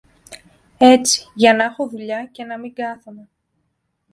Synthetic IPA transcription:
e̞t͡si̥ʝɐnɐexo̞ðuʎɐce̞nɐmiɡɐθone

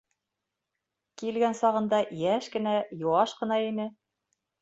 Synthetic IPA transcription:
kilɡænsɑʁɤ̆nd̪ɑjæʃkɘ̆næjŏwɑʃqɤ̆nɑinɘ

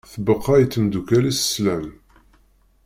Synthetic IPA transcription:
θəbəqːɑjət͡s̪ːəmd̪ukælisə̥slæm

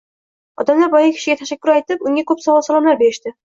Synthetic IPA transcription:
ɒ̰d̪amlaɾbɒjɑkʲʰɪ̥ʃɪ̆ɡʲæt̪ʰæʃakʲːʊɾajt̪ɪpʊŋʲakɵpsɒlɒlˠsɒlˠɑmlaɾbeɾɪʃt̪ɪ

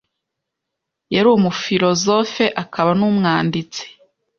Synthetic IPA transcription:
jaɾumufiɾo̞zo̞fe̞ʔakʰaβanuːmŋaːndit͡se̥

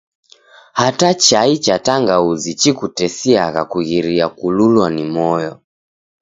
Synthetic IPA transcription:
hatat͡ʃait͡ʃataŋɡauzit͡ʃikutɛsiaɣakuɣiɾiakululwanimɔjɔ

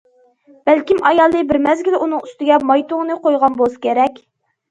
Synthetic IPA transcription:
b̥ælkʲimɑjɑlˠd̪ɨbɪɾmɛzɡʲilunɨŋyst̪ɪɡʲɛmɑjt̪ʊŋnɨqojʁɑnbolˠsɨ̥kʲʰeɾɛkʲ

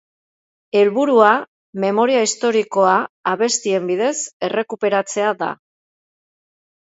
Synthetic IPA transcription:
e̞lβuɾua | me̞mo̞ɾiaist̪o̞ɾiko̞aːβe̞st̪ie̞mbiðe̞se̞re̞kupe̞ɾat͡se̞aða̰

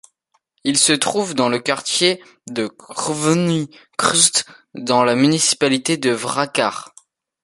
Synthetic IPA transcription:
ilsət̪χuvd̪ɑ̃ləkaʁt̪je | d̪əχvnikχyst̪d̪ɑ̃lamynisi̥palit̪ed̪əvʁakʲaʁ

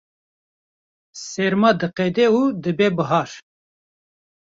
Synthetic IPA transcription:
sɛɾmɑd̪ɨqɛd̪ɛud̪ɨbebəɦɑɾ

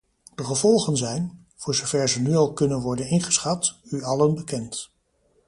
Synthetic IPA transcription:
d̥əχəvɔlˠχənzɛjn | v̥ʊːɹzowv̥ɛɹzənyɑlˠkɵnənʋɔɹdənɪnχə̥sχɑtyɑlənbəkɛnt

